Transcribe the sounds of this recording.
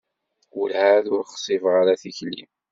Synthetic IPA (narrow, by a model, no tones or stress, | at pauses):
ʊlhaðʊɾχsˤivʁaɾaθiçlḭm